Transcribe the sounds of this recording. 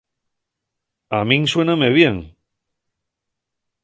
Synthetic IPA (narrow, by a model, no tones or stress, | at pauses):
amĩŋswenameβ̞jeŋ